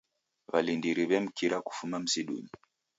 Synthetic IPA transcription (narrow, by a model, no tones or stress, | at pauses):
βalindiɾiβɛm̩kiɾaku̥fumam̩siɗṵɲi